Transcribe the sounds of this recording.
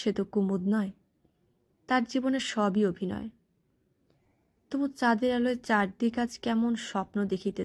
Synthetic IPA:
ʃet̪okumud̪̚nɔe | t̪aɾd͡ʑiboneɾʃɔbiobʱinɔ̰e | t̪obut͡ɕad̪eɾaloet͡ɕaɾd̪ikad͡ʑʰkɛmonʃɔpnod̪ekʰit̪e

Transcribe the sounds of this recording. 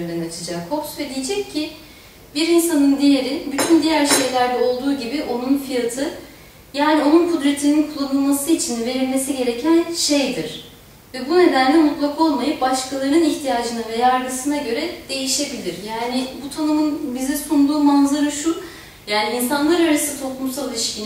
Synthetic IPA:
nd̪ɛnat͡ʃʰɯd͡ʒakkʰo̞psed̪ʲijed͡ʒɛcʰːi | biɾinsanɯnd̪ijeɾinbyt̪ʰynd̪ijæɾʃe̞jlʲæɾd̪ɛo̞lˠd̪uːɟibiʔo̞nunfijat̪ʰɯ | jaːnio̞nunkʰud̪ɾet̪ʰininkʰulˠːanɯlˠmasɯit͡ʃʰinve̞ɾilʲme̞siɟe̞ɾe̞cʰænʃe̞jd̪iɾ̥ | vɛbune̞d̪ænlʲɛmut̪lˠakʰao̞lˠmajɯp̚baʃkʰalˠaɾɯniçt̪ʰijaːd͡ʒɯnavɛjaɾɡɯsɯnaɟø̞ɾɛd̪̥e̞jiʃe̞bilʲiɾjaːnɪbut̪ʰanɯmɯnbizɛsund̪uːmanzaɾɯʃu | jaːniinsanlˠaɾaɾast̪ʰo̞k̪ˠumsalˠiʃcin

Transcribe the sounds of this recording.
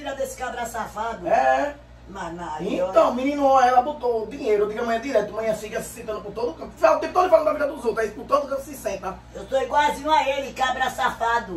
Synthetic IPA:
nɐd̪esɪ̥kabɾasafad̪ʊɛ | manãẽt̪ɐ̃w̃mĩnĩnuõɛlɐbot̪od̪iɲejɾʊud̪iɡɐmɐ̃ɲɐ̃d̪iɾɛt̪umɐ̃ɲɐ̃sĩkɐsi̥sẽt̪ɐ̃nukõt̪od̪ukɐ̃mpfat̪ẽpt̪od̪falɐ̃ɐvid̪ɐd̪uzowt̪ɾɐispũt̪od̪ukɐ̃pʊsisẽt̪ɐ | ewt̪oiɡwazĩaelikabɾasafad̪ʊ

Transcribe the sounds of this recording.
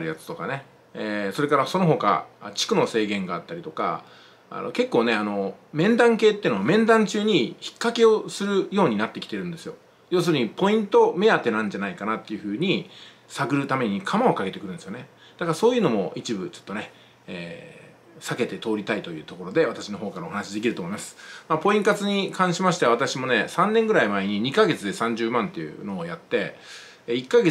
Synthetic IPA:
ɾɯjat͡sɨ̥t̪o̞kane̞ | eso̞ɾe̞kaɾaso̞no̞ɦo̞ka̰t͡ɕi̥kɯ̟no̞se̞ːɡẽ̞ŋɡaːt̪ːaɾʲit̪o̞ka̰ | a̰no̞̰ke̞kːoːne̞ano̞mẽ̞nd̪ãŋke̞ːt̪ːeiɯ̟noamẽ̞nd̪ãɲt͡ɕɨːɲ̟içi̥kːake̞o̞sɨɾɯ̟jo̞ːɲ̟inat̪ːe̞kʲi̥t̪e̞ɾɯ̟̃nd̪e̞sɨjo̞ | jo̞ːs̬ɨɾ̟ɲ̟ipo̞ĩnt̪o̞me̞jat̪ːenãɲ̟d͡ʑanaikanat̪ːe̞jɯ̟ɸɯ̟ːɲ̟i | saɡɯ̟ɾɯ̟t̪ame̞ɲ̟ikʰamao̞kaɡe̞t̪ekɯɾɯ̟nd̪esjo̞ne | d̪̥akaɾaso̞ːjɯ̟ːno̞mo̞it͡ɕibɯ̟t͡ɕo̞̥t̪ːo̞ne | eː | sake̞t̪e̞t̪o̞ːɾʲit̪ait̪o̞jɯ̟ːt̪o̞ko̞ɾo̞d̪e̞βat̪aɕinoɦoːkaɾaoɦanaɕid̪e̞kʲiɾɯ̟t̪o̞ːmo̞imasɨ̥mapo̞ĩŋkat͡sɨɲ̟ikʰãɰ̃ɕimaɕi̥t̪eaβat̪aɕimo̞ne̞sãnːẽ̞ŋɡɯ̟ɾaimaeɲ̟iɲ̟ikaɡe̞t͡sɨd̪e̞sãɲ̟d͡ʑɨːmãnt̪ːe̞jɯ̰no̞ːjat̪ːe̞ | ikːaɡe

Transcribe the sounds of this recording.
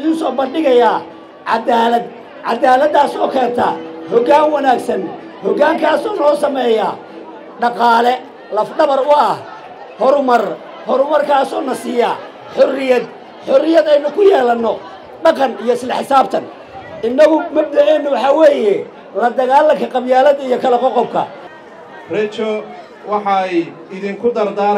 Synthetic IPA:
ðɪnsɔːbɐnɖɪɣɐjaː | ʕɑd̪aːlɐd̪ | ʕɑ̰d̪aːlɐd̪ːaːsɔːkʰɛːnt̪ʰɐ̰hɔɡaːŋwɐnaːɡsɐn | hɔɡaːŋkʰaːsɔːnɔːsɐmɛːjaː | ɖɑqɑːlɛ | lɐfɖɐβɐrʊɐh | hɔɾʊmɐr | hɔɾʊmɐrkʰaːsɔːnɐsɪːjaː | ħɔrɪjɐd̪ | ħɔrɪjɐd̪ɛjnʊkʰʊjɛːlɐnːɔ | ɖɑqɑnijɔɪslɛħɪsaːb̚t̪ʰɐn | ʔɪnːɐɣʊmɐɖɛʕɛnːʊwɑħɑwɛːjɛ | lɐd̪ɐɣaːlɐŋkʰɐqɑbjaːlɐd̪ɐijɔkʰɐlɐqɔqɔb̚kʰɐ̰ | rɛt͡ʃɔ | wɑħɑɛj | ɪðiŋkʰʊd̪ɐɾd̪aː

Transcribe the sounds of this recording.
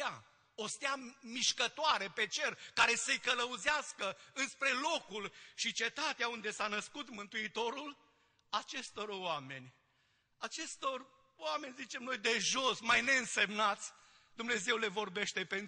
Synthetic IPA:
a | ost̪eamiʃkət̪oaɾe̞pe̞t͡ʃe̞rkaɾe̞səjkələuzeaskəɨnspɾe̞lo̞kulʃit͡ʃe̞t̪at̪eaund̪e̞sanəskut̪mɨnt̪uit̪o̞ɾul | at͡ʃe̞st̪o̞rwame̞nʲ | at͡ʃe̞st̪o̞r | wame̞nʲzit͡ʃe̞mno̞jd̪e̞ʒo̞smajne̞ɨnse̞mnat̪sʲ | d̪umne̞ze̞wle̞vo̞rbe̞ʃt̪e̞pen

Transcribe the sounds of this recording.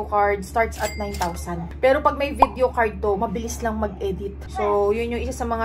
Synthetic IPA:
okaɹd̪̚st̪aɹt̪sɐt̪̚najnt̪awsɐnd̪pɛːɾo̞pɐɡ̚mɐjvid̪eokaɹd̪̚t̪o̞mɐbɪlɪslɐŋmɐɡ̚ʔɛd̪ɪt̪sojʊnːʊŋʔɪsasɐmɐŋa

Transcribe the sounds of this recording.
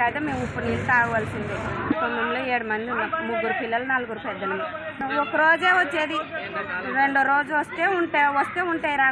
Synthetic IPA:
aːt̪eːmeːmupːunilt̪aːɡɐʋɐlsind̪ikond̪ɐmloːeːɽumɐnd̪iunɐmmuɡːuɾupilːɐlɐnɐluɡuɾupɛd̪ːɐlɐmi | ɔkːɐɾoːd͡ʒeːʋɐt͡ʃːeːd̪i | ɾe̞ɳɖoɾo̞ːd͡ʒuʋɐst̪eːuɳʈeːʋɐst̪e̞ːuɳʈaːjiɾaː

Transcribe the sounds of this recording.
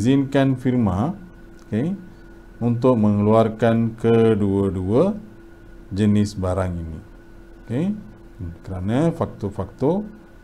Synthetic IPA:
zinkanfirma | ke | unt̪̬ʊk̚məŋəluarkankəduəduə | d͡ʒənɪsbaɾaŋini | oke | kəɾanafak̚t̪ofak̚t̪o

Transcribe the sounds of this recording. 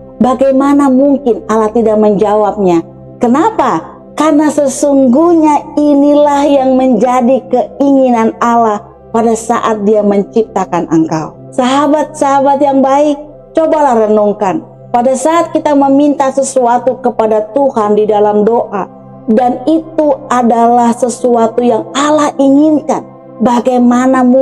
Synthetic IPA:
baɡajmanamuŋkɪnalaht̪idak̚məɲd͡ʒawap̚ɲa | kənapa | karnasəsuŋɡuɲainilahjaŋməɲd͡ʒadikəiŋinanalah | padasa̰ʔat̪̚diaməɲt͡ʃip̚t̪akanʔəŋka̰w | saɦabat̪̚saɦabat̪jaŋbaik̚ | t͡ʃobalahrənɔŋkan | padasaʔat̪̚kit̪aməmint̪asəsuat̪ukəpadat̪uhandidalamdoʔa | danit̪uadalahsəsuat̪ujaŋalahiŋinkan | baɡajmanam

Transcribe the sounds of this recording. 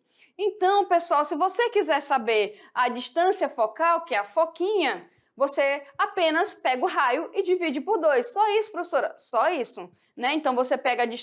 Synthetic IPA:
ẽt̪ɐ̃w̃pesuawsɪvosekizɛɾsabeɾɐd͡ʒiʃt̪ɐ̃siɐfɔkawkɪɛɐfokĩɲɐ | voseapẽnɐspɛɡʊɦajʊɪd͡ʒivid͡ʒɪpoɾd̪ojsːɔisʊ̥pɾofesoɾɐsɔisʊ | nɛẽnt̪ɐ̃w̃vosepɛɡɐd͡ʒiʃ

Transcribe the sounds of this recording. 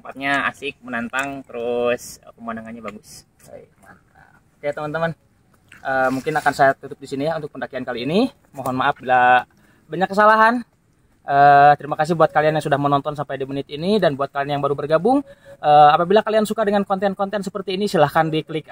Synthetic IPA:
t̪əmpat̪̚ɲaa̰sɪk̚mənant̪aŋt̪əɾʊsəpəmandaŋanɲabaɡʊs | a̰jman | ə | kajat̪əmant̪əman | ʔəmuŋkɪnakansajat̪ːut̪ʊp̚disinijaunt̪ʊk̚pəndakiankaliːni | mɔɦɔnmaap̚bila | baɲakːəsalaɦan | ʔəːt̪əɾimakas̬ɪhbuat̪̚kalianjaŋsudahmənɔnt̪ɔnsampajdimənɪt̪inidanbuat̪̚kalianjaŋbaɾubərɡabʊŋʔəːapabilakaliansukadəŋankɔnt̪ɛnkɔnt̪ɛnsəpərt̪iːnisilahkandikəlɪk

